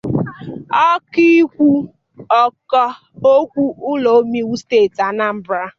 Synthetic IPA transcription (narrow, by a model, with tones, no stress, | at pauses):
ɔ˦ki˦kʷu˦ | ɔ˦kɔ˦ | o˦kʷu˦ʔʊ˦lo˨˦mi˦wu˦steː˦˨ta˨˦na˦m̩˦bɾa˦